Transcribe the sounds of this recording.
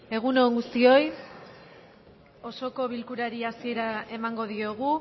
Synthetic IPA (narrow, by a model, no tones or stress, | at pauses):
e̞ɣ̞uno̞ŋɡust̪io̞j | o̞so̞ko̞βilkuɾaɾiasie̞ɾae̞maŋɡo̞ðio̞ɣ̞u